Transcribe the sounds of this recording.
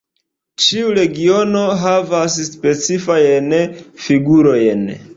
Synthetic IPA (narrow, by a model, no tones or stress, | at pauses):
t͡ʃiuɾe̞ɡio̞no̞ɦavasspe̞t͡sifajnfiɡuɾo̞jn